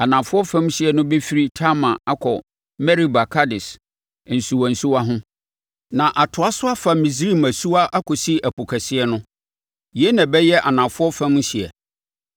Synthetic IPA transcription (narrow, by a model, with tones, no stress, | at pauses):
a˨nã˨fʊ˦ɔ˦fã˦m˦ɕɪ˨ɛ˨nʊ̃˦be˦fi˦ɾi˦tʰa˦mã˨a˦kʰɔ˨ | mɛ˦ɾi˦ba˨kʰa˦dɪ˨s | n̩˨su˨wɔ˨n̩˨su˦wa˦ɦʊ̃˦ | nã˨ʔa˨tʰʊ˨a˦sʊ˦a˦fa˨mĩ˨s̬ɾi˦˨mæ˨su˦a˦ʔa˦kʰɔ˨si˦ʔæ˨pʰo˨kʰæ˨sɪ˦ɛ˦nʊ̃˦ | ji˨ɛ˦nã˨bɛ˦jɛ˦ʔa˨nã˨fʊ˦ɔ˦fã˦m˦ɕɪ˨ɛ̰˨